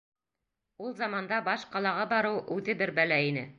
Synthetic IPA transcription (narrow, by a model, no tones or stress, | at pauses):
ulˠzɑmɑnd̪ɑbɑʃqɑlˠɑʁɑbɑɾɤwʉðɘbɘɾbælæinɘ